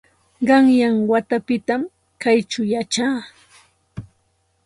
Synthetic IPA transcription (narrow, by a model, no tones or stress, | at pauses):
ɢɑŋjaŋwat̪apɪt̪am | kajt͡ʃʊjat͡ʃaː